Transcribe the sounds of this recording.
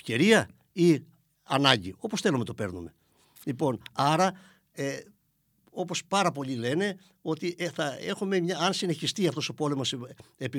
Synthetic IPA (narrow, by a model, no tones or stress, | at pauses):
ceɾiɐ | i | ɐ̰nɐɲɟio̞po̞sθe̞lumet̪ope̞ɾnṵme̞ | lipo̞nɐɾɐ | e | o̞po̞spɐɾɐpo̞ʎile̞ne̞ | o̞t̪iʔeθɐe̞xume̞mɲɐɐnsine̞çist̪iɐft̪o̞so̞po̞le̞mosepi